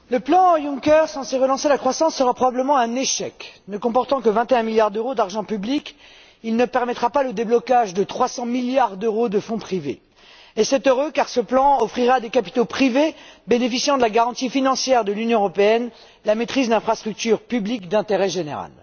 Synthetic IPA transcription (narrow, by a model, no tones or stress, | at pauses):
ləplɑ̃jũŋkɛʁsɑ̃seʁəlɑ̃selakχwasɑ̃sːəʁapχɔbabləmɑ̃ɛ̃neʃɛ̰knəkɔ̃pɔʁt̪ɑ̃kəvɛ̃t̪eɛ̃miljaʁd̪øʁod̪aʁʒɑ̃pyblik | ilnəpɛʁmɛt̪χapaləd̪eblɔkaʒd̪ət̪χwasɑ̃miljaʁd̪øʁod̪əfɔ̃pχivḛ | esɛt̪øʁøkaʁsəplɑ̃ɔfχiʁad̪ekapi̥t̪opχivebenefisjɑ̃d̪əlaɡaʁɑ̃t̪ifinɑ̃sjɛʁd̪əlynjɔ̃əʁɔpeɛn | lamet̪χizd̪ɛ̃fχast̪χyk̚t̪yʁpyblikd̪ɛ̃t̪eʁɛʒenḛʁa̰l